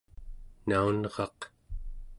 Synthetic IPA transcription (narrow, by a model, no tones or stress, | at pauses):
naunʁɑq